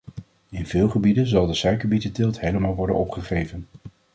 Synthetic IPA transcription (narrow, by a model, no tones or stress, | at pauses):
ɪnvɪːlˠχəbidənzɑlˠdəsœɥkəbitətɪlˠtɦejləmaːlˠʋɔɹdə̰nɔpχəχejvən